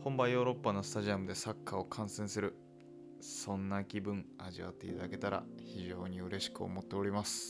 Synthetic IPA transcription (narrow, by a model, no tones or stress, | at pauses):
hõ̞mbajo̞ːɾo̞pːano̞sɨ̥t̪aʑiamɯ̟d̪e̞sakʰːao̞kʰãɰ̃sẽɰ̃sɨɾɯ̟ | sõ̞nːakʲibɯ̟̃ɴaʑiβa̰t̪ːe̞ḭt̪ad̪ake̞t̪aɾa̰çiʑo̞ːɲ̟iɯ̟ɾe̞ɕi̥kɯ̟o̰mo̞t̪ːe̞o̞ɾʲimasɨ̥